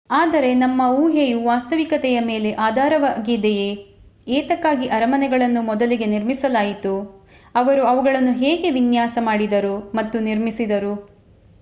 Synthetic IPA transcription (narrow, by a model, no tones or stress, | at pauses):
aːd̪ɐɾe̞nɐmːɐuːɦejuʋaːst̪ɐʋikɐt̪ɛjɐme̞ːle̞ʔaːd̪ʱaːɾɐʋaːɡid̪eje̞ | eːt̪ɐkːaːɡiʔɐɾɐmɐnɛɡɐɭɐnːumɔd̪ɐliɡe̞niɾmisɐlaːjit̪u | ɐʋɐɾuɐʋuɡɐɭɐnːuɦeːɡe̞ʋinjaːsɐmaːɽid̪ɐɾumɐt̪ːuniɾmisid̪ɐɾu